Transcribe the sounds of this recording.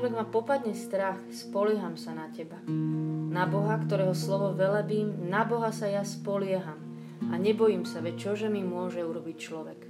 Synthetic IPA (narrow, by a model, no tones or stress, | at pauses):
ʋɛɡmapɔpad̪ɲɛst̪ɾaxspɔlɪɛɦamsanacɛbanabɔɦakt̪ɔɾɛːɦɔslɔʋɔʋɛlabiːmnabɔɦasajaspɔlɪɛɦam | aɲɛbɔjiːmsaʋɛc̚t͡ʃɔʒɛmimʊɔʒɛuɾɔbict͡ʃlɔʋɛk